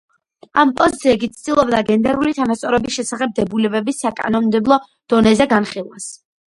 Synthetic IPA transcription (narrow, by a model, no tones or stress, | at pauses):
ampʼɔzit̪sʰiɛkit̪sʰd̪ilˠɔbd̪aɡɛnd̪ɛɾulit̪ʰanast̪sʼɔɾɛbisʃɛsaχɛb̚d̪ɛbulɛbɛbisːakʼa̰nɔmmd̪ɛblˠɔ | d̪̥ɔnɛzɛɡanχilˠwas